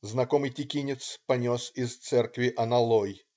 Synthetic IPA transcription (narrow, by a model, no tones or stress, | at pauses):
znɐkomɨjtʲɪkʲinʲɪt̪spɐnʲosɪzt̪sɛrkvʲɪʔɐnɐlˠoj